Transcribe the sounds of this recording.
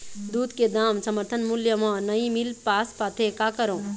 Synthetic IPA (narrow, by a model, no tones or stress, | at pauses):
d̪uːd̪ked̪aːmsɐməɾt̪ʰənmuljəmãːnɐĩmilpaːspaːt̪ʰekaːkɐɾõː